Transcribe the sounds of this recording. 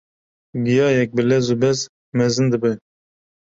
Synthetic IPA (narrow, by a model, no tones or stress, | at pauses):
ɡijɑːjɛk̚bɪlɛzubɛz | mɛzɨnd̪ɨbɨ